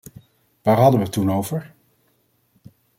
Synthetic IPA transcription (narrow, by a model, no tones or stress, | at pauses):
ʋaːɹɦɑdəʋətunowvəɹ